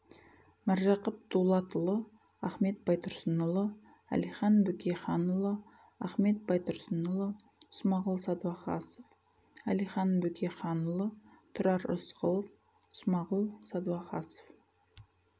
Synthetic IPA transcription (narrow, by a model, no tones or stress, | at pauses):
mæɾʒɑqəp̚d̪ulˠɑt̪əlˠə | ɑχme̞t̪̚bɑjt̪ʰʊɾsənəlˠə | æ̰lijχɑnbɵkʲʰeχɑnəlˠə | ɑχme̞t̪̚bɑjt̪ʊɾsənəlˠə | smɑʁəlˠsɑd̪wɑqɑ̰səf | ælijχɑnbɵkʲʰeχɑnəlˠət̪ʰʊɾɑɾə̰sqəlˠəf | smɑʁəlˠsɑd̪uwɑqɑsə̥f